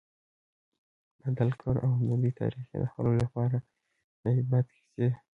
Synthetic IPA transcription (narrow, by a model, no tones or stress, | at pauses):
bad̪alkʰoɾawnubit̪ʰɑ̰ɾixḛd̪əxa̰lolapɑɾa | naibat̪xi̥se